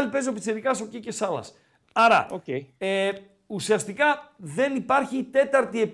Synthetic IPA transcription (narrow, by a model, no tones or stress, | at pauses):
lipezopi̥seɾikɐsocice̞sɐlɐ̰s | ɐɾɐ̰oe | usiɐst̪ikɐðe̞nipɐɾçit̪e̞t̪ɐɾt̪ie̞p